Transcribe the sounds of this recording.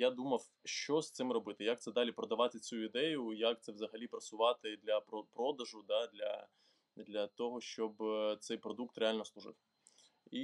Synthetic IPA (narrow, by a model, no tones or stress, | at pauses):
jad̪umɐw | ʃt͡ʃɔst̪sɪmrɔbɪt̪ɪjak̚t̪sɛd̪ɑlʲipɾɔd̪ɐʋɑt̪ɪt͡sʲuid̪ɛjʊjak̚t̪sɛʋzɐɦɐlʲipɾɐsʊʋɑt̪ɪd̪lʲɐpɾɔpɾɔd̪ɐʒʊd̪ɑd̪lʲɐ̰ | d̪lʲɐt̪ɔɦɔʃt͡ʃɔbt̪sɛjpɾɔd̪uk̚t̪ɾealʲnɔslˠʊʐɪ̰f | i